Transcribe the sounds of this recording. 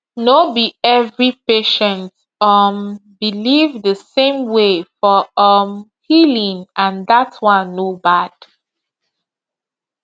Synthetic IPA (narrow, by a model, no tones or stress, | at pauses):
nobiɛvɹipeʃɛ̃nt | ʌmbilivðəsẽmwefɔʌmhilĩŋãnðatwãnːobad̥